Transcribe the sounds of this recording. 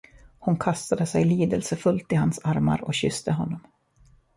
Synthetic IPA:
hʊnkʰast̪ad̪əsɛjliːd̪əlsəfɵlt̪ɪhansaɾma̰ɾɔkɕʏst̪əɦɔnːɔm

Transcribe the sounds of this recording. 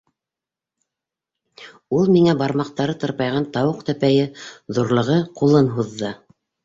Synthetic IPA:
ulˠmiŋæbɑɾmɑqt̪ɑɾɤt̪ɤ̆ɾpɑjʁɑnt̪ɑwɤqt̪æpæjɘðuɾlˠɤ̆ʁɤqulˠɤnɦuðːɤ

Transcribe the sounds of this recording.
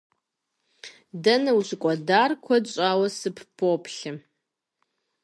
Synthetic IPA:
dɐnɨwɕʷkʷʼadarkʷʰɐdt͡ʃʷʼawɐsɨpʰpʰopʰɬɨ

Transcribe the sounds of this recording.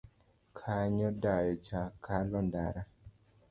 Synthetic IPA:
kʰaɲɔdajɔt͡ʃakalɔndaɾa

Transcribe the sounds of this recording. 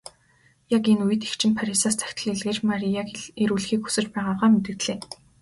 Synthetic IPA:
jakenujɘ̆t̪e̥xt͡ɕʰɪ̆mpʰaɾisaːst̪ʰæ̥xʲt̪ʰə̆ɮeɮɣeːt͡ɕmaɾiakeɾuːɮxiːkxu̥sɘ̆t͡ɕpæːʁaːʁaːmet̪ɘ̆kt̪ɮeː

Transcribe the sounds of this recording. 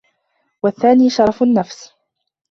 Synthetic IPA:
waθːaːniːʃɑɾˤɑfʊnːafs

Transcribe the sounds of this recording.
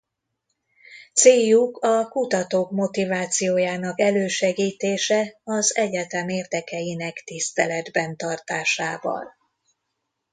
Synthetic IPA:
t̪seːjukʰɒkut̪ɒt̪oːkmo̞t̪ivaːt̪sijoːjaːnɒkɛløːʃɛɡiːt̪eːʃɛɒzɛɟɛt̪ɛmeːrd̪ɛkɛjinɛkt̪ist̪ɛlɛd̪bɛnt̪ɒrt̪aːʃaːvɒ̰l

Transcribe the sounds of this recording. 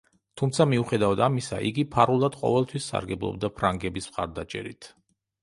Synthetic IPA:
t̪ʰumt̪sʰamiuχɛd̪avad̪amisa̰ʔiɡipʰaɾulˠad̪̥qʼɔ̰vɛlˠt̪ʰwisːa̰ɾɡɛblˠɔ̰b̚d̪apʰɾaŋɡɛbismχa̰ɾd̪at͡ʃʼɛ̰ɾḭt̪ʰ

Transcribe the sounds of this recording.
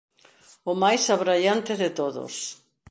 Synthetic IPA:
ʊmajsaβɾaʎant̪ɪðɪt̪oðʊ̰s

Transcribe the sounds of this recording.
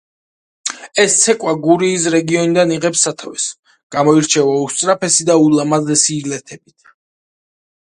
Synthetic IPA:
ɛst̪sʰɛkʼwaɡuɾiːs̬ɾɛɡiɔnid̪aniʁɛpsːat̪ʰʼavɛs | ɡ̥amɔiɾt͡ʃʰɛvaust̪sʼɾapʰɛsid̪aulamazɛsiːlɛt̪ʰɛbit̪ʰ

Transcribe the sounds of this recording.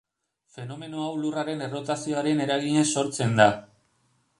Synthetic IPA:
fe̞no̞me̞noawluraɾe̞ne̞ro̞t̪asio̞aɾe̞ne̞ɾaɣiɲeso̞ɾt͡se̞nd̪a

